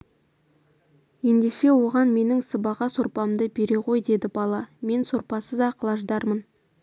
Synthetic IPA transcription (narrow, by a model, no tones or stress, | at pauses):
je̞nd̪e̞ʃe̞wo̞ʁɑnme̞nɪŋsəbɑʁɑsoɾpɑmd̪əbe̞ɾe̞qʰo̞jd̪e̞d̪ɪbɑlˠɑme̞nso̞ɾpɑsəzɑqəlˠɑʒd̪ɑɾmən